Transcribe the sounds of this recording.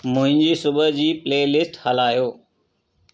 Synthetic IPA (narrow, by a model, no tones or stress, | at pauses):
mʊ̃ɦɪ̃ɲd͡ʑiːsʊbəd͡ʑiːpleːlɪsʈhɐlaːjoː